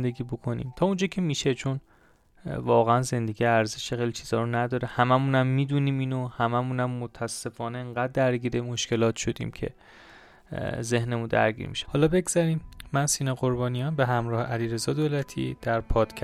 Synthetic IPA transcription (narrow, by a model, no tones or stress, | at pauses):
nd̪e̞ɡʲiːbo̞kʰo̞nḭːmt̪ʰɒːund͡ʒɒːcʰe̞miːʃet͡ʃʰo̞n | vɒːɣeænze̞nd̪e̞ɟijeæɾzeʃexejlit͡ʃʰiːz̥ɒːɾonæd̪ɒːɾehæmæmunæmːiːd̪uniːmiːnohæmæmunæmːot̪ʰːæsːe̞fɒːneeŋɡæd̪̚ːæɾɟiːɾemoʃce̞lɒːt̪ʃo̞d̪ḭːmcʰe̞̰ | ze̞hnemund̪æ̰ɾɟḭːɾmḭʃe̥hɒːlɒbe̞ɡz̥æɾiːmːænsiːnɒɣo̞ɾbɒːnijɒːnbe̞ɦæmɾɒːhḛʔæliːɾe̞zɒːd̪olæt̪ʰḭd̪̥æɾpʰɒːd̪̥kʰæ